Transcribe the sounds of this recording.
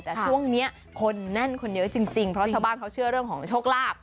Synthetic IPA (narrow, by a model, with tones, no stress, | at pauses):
t̪ɛː˨˩t͡ɕʰu˥˩əŋni˦˥ɐʔ | kʰo˧nːɛ˥˩nkʰo˧njɤ˦˥t͡ɕi˧ŋt͡ɕi˧ŋpʰɾɔ˦˥t͡ɕaː˧wbaː˥˩nka˦˥wt͡ɕʰɯ˥˩ɐɾɯ˥˩əŋkɔː˩˦ŋt͡ɕʰoː˥˩k̚laː˥˩p̚